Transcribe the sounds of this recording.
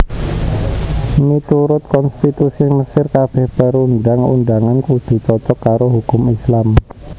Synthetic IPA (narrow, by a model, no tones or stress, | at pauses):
mit̪uɾʊt̪̚kɔnst̪it̪usiməsɪrkab̥ɛhb̥əɾunɖaŋṵnɖaŋankud̪̥ṳt͡ʃɔt͡ʃɔkːaɾoɦukʊmislam